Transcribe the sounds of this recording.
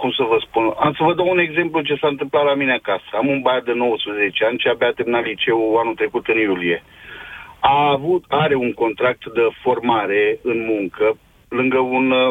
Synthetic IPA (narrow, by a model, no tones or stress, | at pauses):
kumsəvəspuna̰msəvəd̪aune̞ɡze̞mplut͡ʃe̞saɨnt̪̬ɨmplat̪lamineakasəamunbajad̪eno̞wəspɾəze̞t͡ʃeanʲt͡ʃiabeat̪emnalit͡ʃe̞uanut̪ɾe̞kut̪ɨnjulie̞ | aːvut̪aɾe̞uŋko̞nt̪ɾak̚t̪d̪əfo̞rmaɾe̞ɨnmuŋkə | lɨŋɡəun